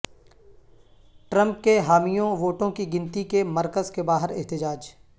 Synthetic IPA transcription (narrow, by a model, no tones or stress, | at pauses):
ʈɾə̃mp̚keɦaːmijõʋoːʈõkiɡɪ̃nt̪ikemɐɾkəzkebaːɦɪɾɛɦt̪ɪd͡ʒaːd͡ʒ